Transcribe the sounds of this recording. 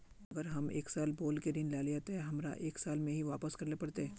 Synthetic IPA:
ɐɡəɾɦɐmḛːksaːlboːlkeɾɪnlaːleat̪eɛɦɐmɾa̰ʔeːksaːlmẽɦiʋaːpəskɐɾlepɐɽt̪e

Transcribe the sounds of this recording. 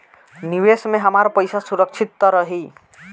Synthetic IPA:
niwesmeɦəmaɾpəjsasuɾək̚t͡ʃʰit̪ːɔɾəɦi

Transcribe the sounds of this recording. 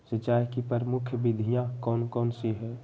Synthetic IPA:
set͡ʃaːɦikipəɾəmukʰjəbid̪ʱijãkɔːnkɔːnsiɦɛː

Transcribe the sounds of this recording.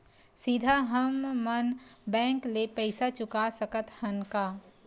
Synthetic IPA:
sid̪ʱaɦəmːənbɛ̃ːŋklepɛɪsat͡ʃʊkasəkət̪hɐnkaː

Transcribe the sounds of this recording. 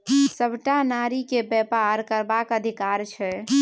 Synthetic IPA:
səbʱʈanaɾikebɛpaɾkəɾbakəd̪ʱikaɾt͡ʃʰɛ

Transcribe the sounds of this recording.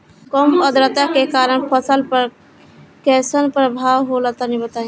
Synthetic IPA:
kɔməd̪ɾət̪akekaːɾəɳ̃pʰəsəlpəɾ | kɛsənpɾəbʱaːwɦolat̪anĩbət̪aɦĩ

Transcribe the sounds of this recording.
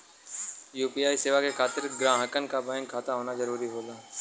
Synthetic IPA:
juːpiːjaːiseːʋakekʰaːt̪ɪɾɡɾãːɦəkənkabəjənkʰaːt̪aɦoːnazɐɾuːɾiɦoːlaː

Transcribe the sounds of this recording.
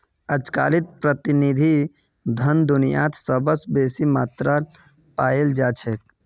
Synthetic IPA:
əd͡ʒka̰lit̪̚pɾət̪inid̪ʱi | d̪ʱənd̪unijã̰t̪səbəsbesimat̪ɾa | paeld͡ʒat͡ʃʰɛk̚

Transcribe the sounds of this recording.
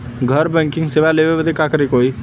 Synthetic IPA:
ɡʱəɾbɛ̃ːŋkɪ̃ŋɡseːʋaleʋeʋəd̪ekakəɾekoːiː

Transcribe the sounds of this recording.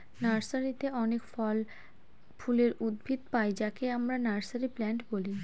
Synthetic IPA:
naɾsaɾit̪eʔɔnekfɔl | fuleɾud̪̚bʱit̪pajd͡ʑakeamɾanaɾsaɾiplɛɳʈboli

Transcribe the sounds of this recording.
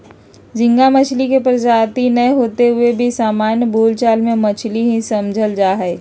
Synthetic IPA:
d͡ʒɪ̃ŋɡamət͡ʃʰlikepɾəd͡ʒaːt̪inəjɦoːt̪eɦʊebʱisaːmaːnjəboːlt͡ʃaːlmẽmɐt͡ʃʰliɦĩsɐmd͡ʒʱəld͡ʒaːɦɛː

